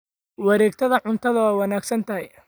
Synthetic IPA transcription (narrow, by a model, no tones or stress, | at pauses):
wɑɾɛːɡ̚t̪ʰɐðɐʕʊnt̪ʰɐðɐwaːwɑnaːɡsɐnt̪ʰɐɦɛj